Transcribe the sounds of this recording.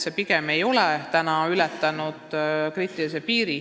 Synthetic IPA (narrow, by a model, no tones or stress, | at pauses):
sepiɡ̥eme̞jo̞lɛt̪ænɑylɛt̪ːˑɑnud̪̥kriːt̪ːˑilis̬epiːɾi